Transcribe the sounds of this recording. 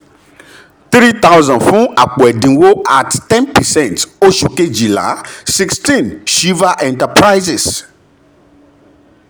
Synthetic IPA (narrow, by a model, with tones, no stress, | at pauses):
t̪ɾi˦t̪a˦wzɔ̃˨nfũ˦a̰˨k͡pɔ˨ɛ˨dĩ˨wo˦a̰˨ttɛ̃˦npɛ˨sɛ̃˦˨nto˦ʃu˨ke˦d͡ʒi˨la̰˨˦si˦kstĩ˨nʃi˦va˦ʔɛ̃˨nta˨pɾa˦jzɪ˨s